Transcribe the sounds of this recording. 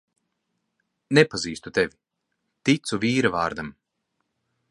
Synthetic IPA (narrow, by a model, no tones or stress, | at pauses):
nepaziːst̪ut̪evʲi | t̪it̪suviːɾavaːɾd̪am